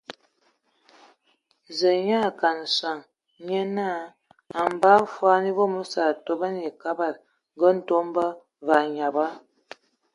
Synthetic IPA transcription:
zə˨ɲa˦˨ka˨n˨sa˨ŋ | ɲe˦na˦˨ | a˨m˨ba˦fwa˦ni˦bo˦mu˦sa˨to˦ba˦n˦je˨ka˦ba˨t̚ | ŋ˦ɡə˦n̩˦to˦mbə˦ | va˨ɲa˨ba˦

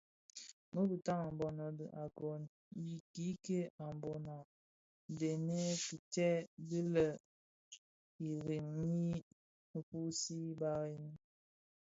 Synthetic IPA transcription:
mə˦bi˨ta˦ŋa˨mbɔ˨na˨bə˨ʔa˨ɡɔ˨n | ji˨ki˦ke˦a˨mbɔ˨na˨ | de˨ne˦ki˨tɛ˦bi˦lə˨ | i˨ɾi˨mni˦ | mə˨pu˦si˦ba˦ɣi˦ni˦

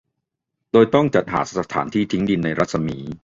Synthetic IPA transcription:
doː˧jt̪ɔ˥˩ŋt͡ɕa˨˩t̪̚ha̰ː˩˦sa˧a˧t̪ʰa̰ː˩˦nt̪ʰiː˥˩t̪ʰi˦˥ŋdi˧nːa˧jɾa˦˥t̪̚sa˧miː˩˦

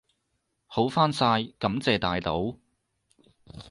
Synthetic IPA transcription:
ho˨˥wfaː˥nsaː˧jkɐ˨˥mt͡sɛː˨˧t̪aː˨jt̪o˨˥w

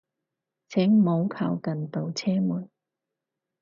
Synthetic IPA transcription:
t͡sʰɛ˨˥ŋmo˨˧wkʰaː˨˩wkɐ˨nt̪o˨wt͡sʰɛː˥muː˨˩n

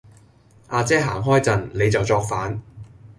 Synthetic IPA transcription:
ʔaː˧t͡sɛː˥ɦa̰ː˨˩ŋɦɔː˥jt͡sɐ˨˩nle˨˧jt͡sɐ˨wt͡sɔː˧k̚faː˨˥n

